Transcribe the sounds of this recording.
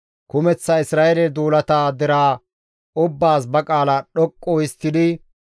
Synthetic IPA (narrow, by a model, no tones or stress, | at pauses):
kʊmɛt͡sːɐɪsɾaːjɛlɛd̪uːlɐt̪aːd̪ɛɾaː | ʔʊbːaːsbɐkʼaːlɐɗɔkʼːoɪst̪ːɪd̪ɪ